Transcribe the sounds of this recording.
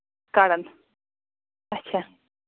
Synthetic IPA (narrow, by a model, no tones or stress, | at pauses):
kaɽɐn | ɐtːɕʰaː